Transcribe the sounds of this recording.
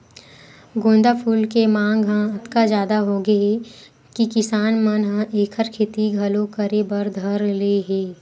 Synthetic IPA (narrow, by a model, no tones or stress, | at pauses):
ɡõːnd̪apʰuːlkemãːŋɡɦãɐt̪kazjaːd̪aɦoɡɐe | kikɪsaːnmɐnɦãʔeːkʰəɾkʰeːt̪iɡʱɐlõkɐɾebɐɾd̪ʱɐɾleɦeː